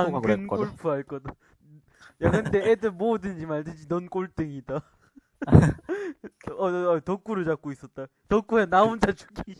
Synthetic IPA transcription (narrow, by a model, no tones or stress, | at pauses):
akɯnk͈oɭpʰuɦaɭk͈ʌd | jaɡɯnt͈eedɯmodɯnd͡ʑimaɭdɯd͡ʑinʌnk͈oɭt͈ɯŋida | tʌk͈uɾɯɭd͡ʑak̚k͈ois͈ʌt̚t͈a | tʌk͈uenaund͡ʑʰat͡ɕu̥ɡʰi